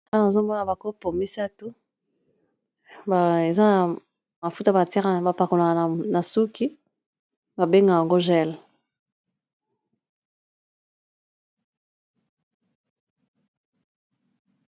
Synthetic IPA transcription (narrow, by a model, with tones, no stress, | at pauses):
ta˦na˨zo˦mɔ˦na˨ba˨ko˦po˨mi˦sa˦tu˦ | ba˨e˨za˦na˨ | ma˨fu˦ta˦ba˨ti˦ʁa˨ba˨pa˨ko˨la˨ka˨na˨na˨su˦ki˦ | ba˨be˦ŋɡa˨ja˨ŋɡo˦ʒɛ˦l